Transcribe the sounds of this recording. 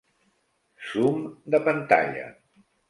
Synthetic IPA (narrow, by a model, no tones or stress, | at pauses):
sumd̪əpənt̪a̰ʎə̰